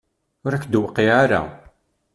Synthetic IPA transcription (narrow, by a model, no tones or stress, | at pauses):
ʊɾækːd̪wəqːiaɾa̰